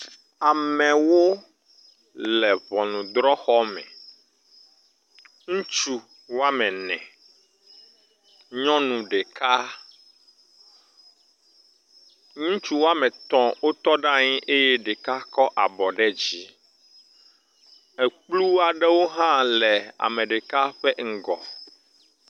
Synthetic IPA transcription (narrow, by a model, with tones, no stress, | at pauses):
a˨mɛ̃˨wo˦ | lɛ˨βɔ˨nũ˨d̪ɾɔ˦xɔ˦mɛ̰̃˨ | ŋũ˦t͡ʃu˦ | wo˦a˦mɛ̃˨nɛ̰̃˨ | ɲɔ̃˦nũ˨ɖɛ˨ka˦ | ŋũ˦t͡ʃu˦wo˦a˦mɛ̃˨t̪ɔ̃˦wo˦t̪ɔ˦ɖã˦ɲĩ˦ʔe˦jɛ˦ɖe˨ka˦kɔ˦ʔa˨bɔ˨ɖɛ˦d͡ʑi˦ | ɛ˨k͡plu˦a˨ɖɛ˦wo˦ɦã˦lɛ˨a̰˨mɛ̃˨ɖe˨ka˦ɸɛ˦ŋ̩˦ɡɔ̰˨